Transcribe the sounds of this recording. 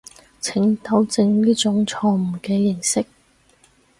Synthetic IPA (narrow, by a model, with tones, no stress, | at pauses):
t͡sʰɪ˨˥ŋt̪ɐ˨˥wt͡sɪ˧ŋliː˥t͡sʊ˨˥ŋt͡sʰɔː˧m̩˨˩kɛː˧jɪ˨˩ŋsɪ˥k̚